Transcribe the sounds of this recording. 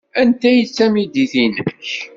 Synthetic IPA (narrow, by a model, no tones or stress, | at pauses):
ænt̪æjət͡sːæmid̪iθinəç